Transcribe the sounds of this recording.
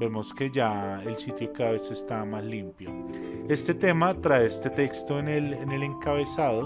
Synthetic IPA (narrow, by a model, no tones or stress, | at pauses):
be̞moske̞d͡ʒaelsit̪jo̞kaðaβe̞se̞st̪amaslimpjo | e̞st̪e̞t̪e̞mat̪ɾaeest̪e̞t̪e̞kst̪o̞enelene̞le̞ŋkaβe̞saðo